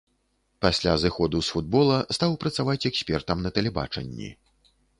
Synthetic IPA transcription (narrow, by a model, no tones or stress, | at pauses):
pasʲlʲazɨxɔd̪usfud̪̚bɔlˠɐst̪awpɾɐt̪savat͡sʲɛksʲpʲɛrt̪ɐmnɐt̪ɐlʲɛba̰t͡ʂɐ̰nʲːḭ